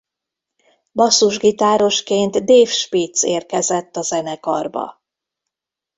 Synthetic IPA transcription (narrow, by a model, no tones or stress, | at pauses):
bɒsːuʒɡit̪aːɾo̞ʃkeːnt̪d̪eːfʃpiːt̪seːrkɛzɛt̪ːɒzɛnɛkɒ̰rbɒ̰